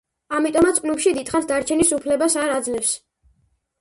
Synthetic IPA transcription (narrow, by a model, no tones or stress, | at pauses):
amit̪ʼɔmat̪sʰpʼnupʃid̪it̪χat̪ʰd̪aɾt͡ʃʰɛnisupʰlɛbasaɾad̪zlɛfs